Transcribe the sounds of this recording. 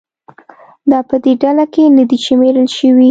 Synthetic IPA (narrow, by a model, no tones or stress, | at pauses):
d̪ɑpəd̪eɖalakenid̪it͡ʃemeɾəlʃəwi